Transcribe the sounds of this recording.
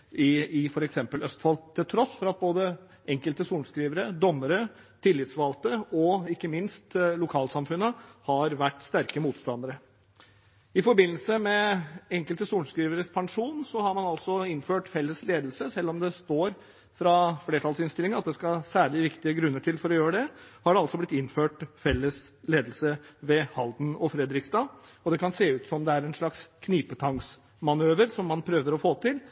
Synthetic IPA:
ɪfɔɾɛksɛmpəlœst̪fɑlʰːɪlt̪ʰɾɔsːfɔɾɑt̪̚boːd̪ə | ɛŋkəlt̪əsuːɳskɾiːʋəɾəd̪ɔmːəɾət̪ʰɪlːɪt̪sʋɑːlt̪əɔɪkːəmɪnst̪lʊkʰɑːlsɑmfʉnːəhɑɾʋæʈːst̪æɾkəmuːt̪st̪ɑnd̪əɾə | ɪfɔɾbɪnːəsəmɛɛŋkəlt̪əsuːɳskɾiːʋəɾəspʰɑŋʂuːnsɔhɑɾmɑnɑlsɔɪnføːʈfɛlːəsleːd̪əlsəsɛlːɔmd̪ɛst̪oːɾ | fɾɑfleːʈʰɑlsɪnst̪ɪlɪŋəɾɑt̪̚d̪ɛskɑsæːɭɪʋɪkt̪ɪəɡɾʉnːəʈʰɪlfɔɾɔjøːɾəɖ̪ɛhɑɖɛɑlsɔblɪt̪ːɪnføːʈfɛlːəsleːd̪əlsəʋɛhɑld̪n̩ɔfɾɛd̪ɾɪkst̪ɑɔd̪ɛkʰɑnseːʉːt̪sɔmd̪ɛæɾɛnʂɭɑkskʰniːpət̪ʰɑŋs | mɑnøːʋəɾsɔmːɑnpʰɾøːʋəɾɔfoːt̪ʰɪl

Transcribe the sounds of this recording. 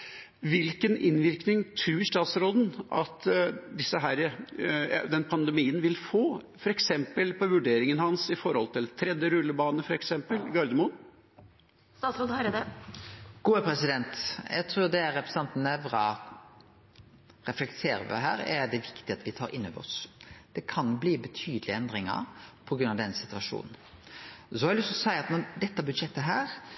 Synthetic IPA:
ʋɪlkənɪnʋɪɾknɪŋt̪ʰɾʉːʂt̪ɑːt̪sɾoːd̪n̩ʔɑt̪d̪ɪsːəɦæːɾ | d̪ɛnpʰɑnd̪ɛmiːənʋɪlfoːfɔɾɛksɛmpəlpʰɔʋʉɖeːɾɪŋənhɑnsɪfɔɾhɔlt̪ʰɪlt̪ʰɾɛd̪jəɾʉlːəbɑːnəfɔɾɛksɛmpəlɡɑɾd̪əmʊn | st̪ɑːsɾoːd̪ | ɡ̥uːəpɾɛsɪd̪ɛnt̪jæ̰ɪt̪ʰɾʉːɾd̪ɛæɾɛpɾɛsɑnt̪ənəfɾɑ | ɾɛflɛkt̪ʰeːɾə̰ʋɪ̰ɦæ̰ːɾæɾɖ̪ɛʋɪkt̪ɪɑt̪ʋɪt̪ʰɑːɾʔɪnːøːʋəɾɔ̰sd̪̥ɛkʰɑnbliːbət̪ʰyːd̪əlɪɛnd̪ɾɪŋə̰pʰɔɡɾʉnːɑʋd̪ɛnsɪt̪ʉɑʂṵːnn̩ | sɔhɑɾɑlɪst̪ɔsæɪɑt̪nɔd̪ɛt̪ːəbʉd̪ʂɛt̪ːəɦæːɾ

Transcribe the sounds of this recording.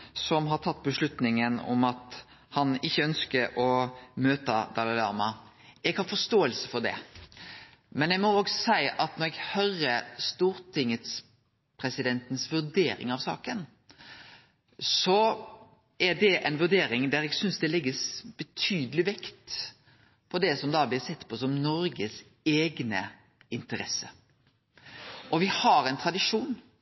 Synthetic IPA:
sɔmɦɑɾt̪ʰɑt̪ːbəʂlʉt̪nɪŋənɔ̰mɑt̪ | hɑnɪçːəœnskəɾɔmøːt̪ɑd̪ɑlɑlɑ̰ːmɑ | ɛɡhɑːfɔst̪oːəlsə̥fɔʁd̪ɛ̰ | mɛnjæɪmɔoːɡsæɪɑt̪nɔɾɛɡhœɾəst̪uːɾt̪ʰɪŋət̪s | pʰɾɛsɪd̪ɛnt̪ənsʋʉɾd̪eːɾɪ̰ŋɑʋsɑ̰ːkən | sɔ | æd̪ɛʔɛɪnʋʉɾɖ̪eːɾɪŋd̪æɾɛɡsʏnsd̪ɛlɪɡːəsb̥ɛt̪ʰyːd̪əlɪʋɪkt̪ | pʰɔd̪ɛsɔmd̪ɑːblɪɾsɛt̪ːpʰɔsɔmnɔɾɡəs | eːɡnə̰ | ɪnt̪əɾɛsə | ʔɔʋɪhɑɾɛnt̪ʰɾɑd̪ɪʂuːn

